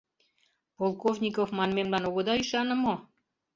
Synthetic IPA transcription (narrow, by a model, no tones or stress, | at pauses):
polˠkovnʲikofmɑnmemlɑnoɣod̪ɑyʃɑnə̆mo